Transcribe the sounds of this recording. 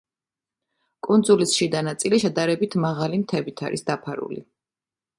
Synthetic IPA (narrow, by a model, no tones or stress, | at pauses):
kʼund̪zulisʃid̪anat̪sʼiliʃɛd̪aɾɛbit̪ʰmaʁalimt̪ʰɛbit̪ʰa̰ɾḭsd̪apʰaɾṵlḭ